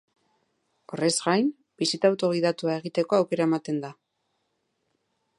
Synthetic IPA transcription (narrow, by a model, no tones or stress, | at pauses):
o̞re̞zɣajn | b̥isit̪aːwt̪o̞ɣ̞iðat̪uae̞ɣ̞it̪e̞ko̞awke̞ɾae̞mat̪e̞nd̪a